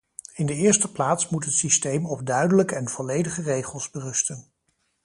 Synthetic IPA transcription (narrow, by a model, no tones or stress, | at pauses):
ɪndəɪːɹstəplaːtsmutɦətsistejmɔb̚dœɥdələkəɛnv̥ɔlejdəχərejχəlˠzbərɵstən